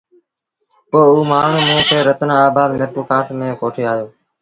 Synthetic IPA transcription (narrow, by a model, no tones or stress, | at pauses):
poːuːmaːɳ̤ũːmẽːkʰeːɾət̪ənːaːbaːd̪mɪɾkuːkaːfʰmẽːkoːʈʰeːaːjoː